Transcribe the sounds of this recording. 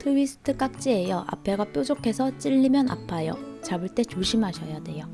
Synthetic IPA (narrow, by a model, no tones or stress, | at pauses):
tʰɯwisʰɯ̥tʰɯk͈ak̚t͡ɕ͈iejʌʔa̰pʰe̞ɡap͈jod͡ʑokʰe̞sʰʌt͡ɕ͈iʎːimjʌna̰pʰajot͡ɕabɯɭt͈e̞t͡ɕoɕʰimɦaɕʰʌjade̞jo